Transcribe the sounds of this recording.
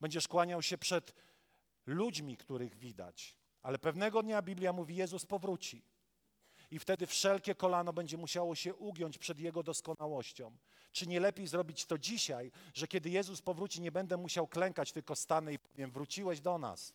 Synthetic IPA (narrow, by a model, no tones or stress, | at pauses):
b̥ɛɲd͡ʑɛʂkwaɲawɕɛpʂɛt̪ | lud͡ʑmʲikt̪uɾɘɣvʲid̪a̰t͡ɕ | alɛpɛvnɛɡɔd̪ɲabʲiblʲjamuvʲijɛzuspɔvɾut͡ɕi | ift̪ɛd̪ɘfʂɛlkʲɛkɔlanɔbɛɲd͡ʑɛmuɕawɔɕɛʔuɡʲjɔɲt͡ɕpʂɛd̪jɛɡɔd̪ɔskɔnawɔɕt͡ɕɔ̃w̃ | t͡ʂɘɲɛlɛpʲjejzɾɔbʲit͡ɕt̪ɔd͡ʑiɕajʐɛkʲɛd̪ɘjɛzuspɔvɾut͡ɕiɲɛbɛnd̪ɛmuɕawklɛŋkat͡ɕt̪ɘlkɔst̪anɛipɔvʲjɛmvɾut͡ɕiwɛʑd̪ɔna̰s